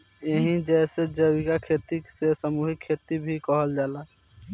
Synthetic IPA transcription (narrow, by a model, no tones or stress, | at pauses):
jəɦĩd͡ʒɛːsed͡ʒəwikakʰeːt̪isesəmuːɦɪkʰːeːt̪ibʱikɔɦəld͡ʒaːlaː